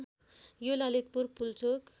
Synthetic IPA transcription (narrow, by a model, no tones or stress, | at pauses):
jolalit̪̚purpult͡sʰok